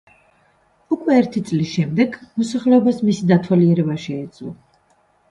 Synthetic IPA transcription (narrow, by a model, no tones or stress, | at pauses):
ukʰʼwɛːɾt̪ʰit̪sʼlisʃɛmd̪ɛɡmɔsaχlɛɔbasmisid̪at̪ʰwaliɛɾɛbaʃɛɛd̪zʼwlˠɔ̰